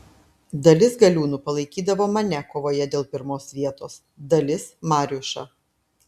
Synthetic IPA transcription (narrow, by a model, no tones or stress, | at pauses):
d̪ɐlʲɪsɡɐlʲuːnuːpɐlˠɐɪkʲiːd̪ɐʋoːmɐnʲɛkoːʋoːjɛd̪ʲeːlˠpʲɪɾmoːsʋʲiɛt̪oːs | d̪ɐlʲɪsmɑːɾʲʊʃɐ̰